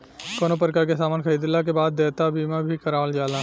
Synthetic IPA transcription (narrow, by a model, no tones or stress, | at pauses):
koːnop̬ɾkaːɾkesaːmaːnkʰəɾiːd̪ɪlːak̬ebaːd̪̚ːeːt̪abiːmãbʱikɐɾaːəld͡ʒaːlã